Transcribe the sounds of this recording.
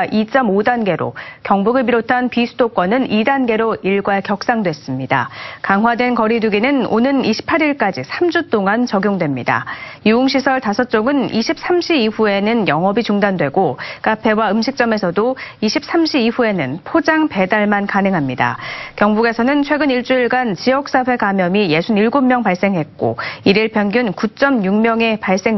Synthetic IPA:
it͡ɕ͈ʌmodanɡe̞ɾo̰kjʌŋbuɡɯɭbiɾotʰanpisʰudok͈wʌnɯnidanɡe̞ɾoʔiɭɡwaɭkjʌk̚s͈aŋdwe̞s͈ɯmɲida̰kaŋɦwadwe̞nkʌɾiduɡinɯno̰nɯniɕʰi̥pʰaɾiɭk͈ad͡ʑisʰamd͡ʑut͈oŋant͡ɕʌɡjoŋdwe̞mɲida̰juuŋɕ̬ʰisʰʌɭtasʰʌt͡ɕ͈oɡɯniɕʰip̚s͈ʰamɕʰibiɸue̞nɯnjʌŋɦʌbit͡ɕuŋdandwe̞ɡok͈apʰe̞waɯmɕʰik̚t͡ɕ͈ʌme̞sʰʌdoiɕʰip̚s͈amɕʰibiɸue̞nɯnpʰod͡ʑaŋpe̞daɭmankanɯŋɦamɲida̰kjʌŋbuɡe̞sʰʌnɯnt͡ɕʰwe̞ɡɯniɭt͡ɕ͈uiɭɡant͡ɕijʌk̚s͈aɸwe̞kamjʌmije̞sʰuniɭɡomːjʌŋpaɭs͈e̞ŋɦe̞t̚k͈o̰iɾiɭpʰjʌnɡjunkut͡ɕ͈ʌmjuŋmjʌŋe̞paɭs͈e̞ŋ

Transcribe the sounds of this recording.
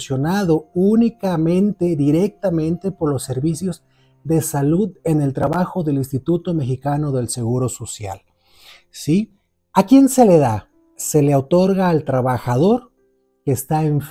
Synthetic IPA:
sjo̞naðounikamẽ̞nt̪e̞ðiɾe̞k̚t̪amẽ̞nt̪e̞poɾlo̞sːe̞ɾβisjo̞z | ðe̞saluðe̞ne̞lt̪ɾaβaxo̞ðe̞linst̪it̪ut̪o̞me̞xikano̞ðe̞lse̞ɣuɾo̞so̞sja̰l | si | akje̞nse̞le̞ða | se̞leaot̪o̞ɾɣaːlt̪ɾaβaxaðo̞ɾ | keːst̪aeɱf

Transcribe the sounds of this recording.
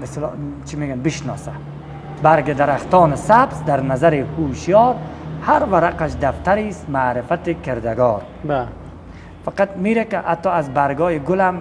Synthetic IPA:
beslɔ̰t͡ʃʰimeɡanbɪʃnɔːsa | baɾɡɪd̪aɾaxt̪ɔːnɪsabzd̪aɾnazaɾihuːʃjɒːɾhaɾvaɾaqaʃd̪aft̪aɾiːst̪maːɾɪfat̪ikʰeɾd̪aɡɔːɾ | b | faqat̪miɾakɪʔa̰t̪ːɔazbaɾɡɔːiɡʊlam

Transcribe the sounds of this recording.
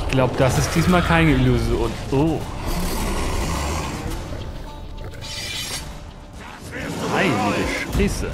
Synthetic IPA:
ɪçɡ̥laʊbəd̥asɪst̚d̥iːsmaːlkʰaɪnəiluzjoːnʔo | haɪliːbəʃpʁ̥ɛːsə

